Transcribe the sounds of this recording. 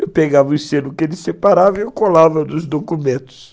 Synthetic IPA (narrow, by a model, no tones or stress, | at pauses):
ewpeɡavɐʊsẽnʊkɪelɪsepaɾavɐewkolavɐd̪ʊzd̪okumẽt̪ʊ̥s